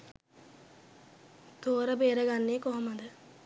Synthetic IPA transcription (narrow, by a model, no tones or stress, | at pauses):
t̪oːɾəbeːɾəɡanːeːkoɦoməd̪ə